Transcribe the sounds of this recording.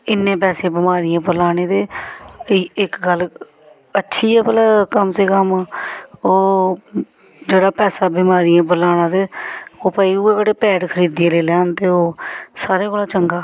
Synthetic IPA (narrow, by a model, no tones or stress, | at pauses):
ɪnːẽːpɛːsẽːbɪmaːɾijãːbəlaːɽ̃eːd̪eː | ɪkɡəl | ətːʃʰiːɛːpəlaːkəmseːkəm | oː | d͡ʒeːɽaːpɛːsaːbɪmaːɾijãːbəlaːɽ̃aːd̪eːoːpəːiːuːẽːkəɽeːpɛːʈkʰəɾiːd̪ẽːleːlɛːnt̪eːoːsaːɾeːkoːlaːt͡ʃəŋɡaː